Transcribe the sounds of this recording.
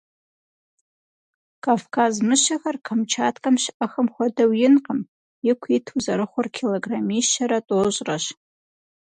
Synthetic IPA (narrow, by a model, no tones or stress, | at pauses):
kʰaːfkʰaːzmɨɕɐxɐrqʰɐmt͡ʃʰaːtʰkʼɐmɕɪʔɐxɐmxʷɔdɐwjɪnqəm | jɪkʷʰiːtʰuzɐɾɨχʷʊrkʰeloɡraːmiʃɐɾɐtʼoːɕʼrɐɕ